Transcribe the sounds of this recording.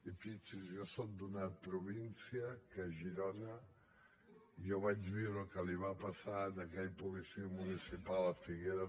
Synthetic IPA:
ifit͡ʃizjosot̪̚d̪unapɾuβinsjakəʒiɾɔna | ioβad͡ʒβiwɾokəliβapasad̪akɛʎpuβisimunisipalɐfiɣeɾa

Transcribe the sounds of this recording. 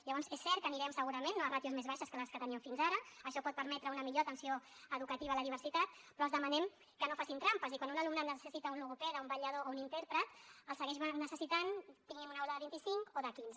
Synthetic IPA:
ʎaβɔnzɛsːɛɾt̪̚kəniɾɛmsəɣuɾəmẽnːrat̪juzmezβaʃəskələskət̪əniɛmfinzaɾəəʃɔpɔt̪̚pəɾmɛt̪ɾəunəmiʎot̪ənsio | əðukət̪iβaləðiβ̞əɾsit̪at̪̚ | pɾɔəlzðəmanɛm | kənofasint̪ɾampəzikwanunalumnanəsəsit̪əunluɣupɛɾəumbɐʎəðounint̪ɛɾpɾət̪əlˠsəɣɛʃnəsəsit̪ant̪iŋɡɛmunaoləðəβint̪isiŋkoðəkinzə

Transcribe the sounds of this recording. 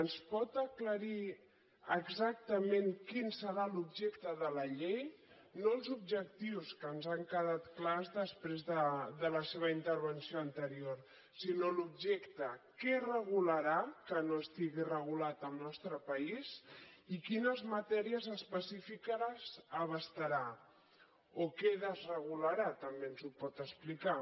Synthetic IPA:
ənspɔt̪əkləɾi | əɡzak̚t̪əmẽŋkinsəɾalubʒɛkt̪əðələʎej | nolˠzub̚ʒək̚t̪iwskənzaŋkəðat̪klazðəspɾezðəðələseβ̞əint̪əɾβ̞ənsioənt̪əɾioɾ | sinolubʒɛkt̪əkɛrəɣuləɾakənoəst̪iɣirəɣ̞ulat̪əlˠnɔst̪ɾəpəizikinəzmət̪ɛɾiəzəspəsifikazəβəst̪əɾa | okɛðəzrəɣ̞uləɾat̪əmbenzupɔt̪əsplika

